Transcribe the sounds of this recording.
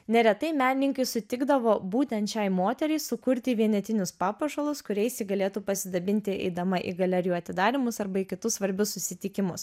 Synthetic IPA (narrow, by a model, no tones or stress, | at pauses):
nʲɛɾʲɛt̪ɐɪmʲæːnʲɪnʲɪŋkɐɪsʊt̪ʲɪɡd̪ɐʋoːbuːt̪ʲɛnt̪t͡ʃʲɛɪmoːt̪ʲɛɾʲɛɪsʊkʊɾʲt̪ʲɪʋʲiɛnʲɛt̪ʲɪnʲʊspɑːpɐʃɐlˠʊskʊɾʲɛɪsʲiɡɐlʲeːt̪uːpɐsʲɪd̪ɐbʲɪnʲt̪ʲɪɛ̰ɪd̪ɐmɐʔḭɡɐlʲɛɾʲjuːɐt̪ʲɪd̪ɑːɾʲɪmʊsɐɾbɐɪkʲɪt̪ʊssʋɐɾʲbʲʊssʊsʲɪt̪ʲɪkʲɪmʊs